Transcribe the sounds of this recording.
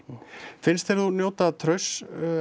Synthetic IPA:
fɪnst̪ɛɾðθunjoːwt̪at̪ʰɾœɥs

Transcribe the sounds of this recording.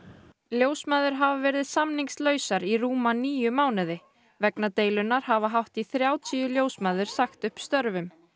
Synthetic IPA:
ljoːwsmaːðʏɾ̥ɦavavɛːɾðɪðsamniŋkslœːɥsaɾiɾuːmaniːjʏmaːwnɪðɪ | vɛknat̪eːjlʏnːaɾ̥havaɦawht̪iθɾjaːwt̪ʰiːʏljowsmaːðʏɾ̥saxt̪ʏhpst̪œɾvʏm

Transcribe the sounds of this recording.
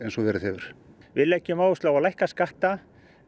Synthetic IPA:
ejnsɔvɛɾɪðɛvʏɾ̥vɪlɛcːɪmaːwʏst̪lawalajhkaskaht̪a

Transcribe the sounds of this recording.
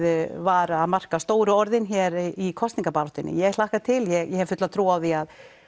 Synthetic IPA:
vaːɾaðmar̥kast̪oːwɾʏɔɾðɪnçɛɾikʰɔst̪niŋkapaːɾɔht̪ɪnɪ̰jɛɣl̥ahkat̪ʰɪljɛɣjɛhɛvfʏt̪laðt̪ʰɾuːawθiað

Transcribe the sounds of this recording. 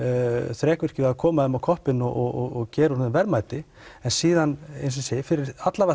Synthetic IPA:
θɾɛːkvʏr̥cɪvɪaðkʰɔːmaðɛmawkʰɔhpɪnːɔɣɔɣɔɣɔɣcɛːɾunʏmvɛɾmaːjt̪ɪ | ɛnsiːðanḛjnsʏnsɪfɪɾɪɾat̪lava

